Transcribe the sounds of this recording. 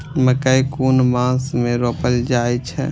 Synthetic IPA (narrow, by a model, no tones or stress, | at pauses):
məkəjkunmãsmeɾopəld͡ʒajt͡ʃʰɛ̰